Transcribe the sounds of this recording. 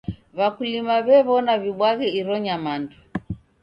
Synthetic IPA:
βakulimaβɛβɔnaβiɓwaɣɛiɾɔɲamandu

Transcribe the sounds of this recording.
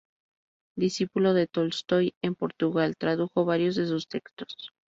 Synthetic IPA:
d̪isipulo̞ðe̞t̪olst̪o̞je̞mpo̞ɾt̪uɣalt̪ɾaðuxo̞βaɾjo̞zðe̞s̬ust̪e̞kst̪o̥s

